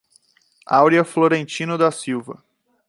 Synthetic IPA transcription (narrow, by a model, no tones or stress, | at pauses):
awɾiɐfloɾẽnt͡ʃĩnʊd̪ɐsiwvɐ̰